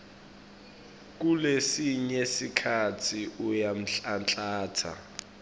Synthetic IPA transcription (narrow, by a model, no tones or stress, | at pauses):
k̬ulesiɲesikʰat͡sʰiujam̩ɬant͡ɬʼaːtʰa̰